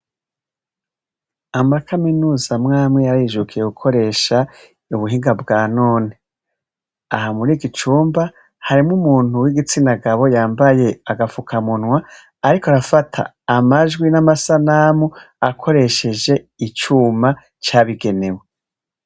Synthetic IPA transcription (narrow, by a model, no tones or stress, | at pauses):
amakʰaminuːzamŋaːmŋejaɾjiʒukʰije̞ɡukʰo̞ɾe̞ːʃa | uβuɦiːŋɡabɡaːnoːne | aɦamuɾiːɡit͡ʃuːmba | haɾimŋumuːn̥uwiɡit͡sindaɡaβo̞jaːmbaje̞aɡafukʰamunwaː | ɾikoaɾafatʰa̰ːmaʒɡwinamasanamu | akʰo̞ɾe̞ʃe̞d͡ʒe̞ | it͡ʃuːma | t͡ʃaːβiɡe̞ne̞we